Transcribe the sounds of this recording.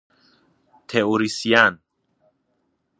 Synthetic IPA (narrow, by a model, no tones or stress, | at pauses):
t̪ʰeoɾisian